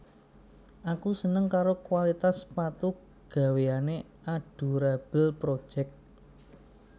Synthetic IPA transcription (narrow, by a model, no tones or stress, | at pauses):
ʔakusənəŋkaɾokwalit̪aspat̪u | ɡ̥ä̤weane | aɖ̥ṳɾab̥ə̤lpɾod̥ʒ̥ɛk̚t̪̚